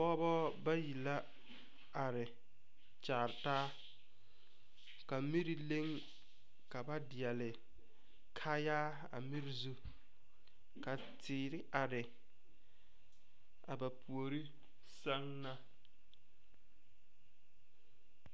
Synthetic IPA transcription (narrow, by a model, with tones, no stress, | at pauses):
ɔː˦bɔ˦ba˦ji˨la˦ | a˨ɾɪ˨ | t͡ʃaː˨ɾɪ˨taː˦ | ka˨mi˦ɾi˨le˦ŋ | ka˨ba˦dɪ˨ɛ˨lɪ˨ | kʰaː˦jaː˦ | a̰˨mi˦ɾi˨zu˦ | ka˨ | tʰɪː˨ɾɪ˦ʔa˨ɾɪ˨ | a˨ba˨pʰu˨o˨ɾi˦ | sa˦ŋna˦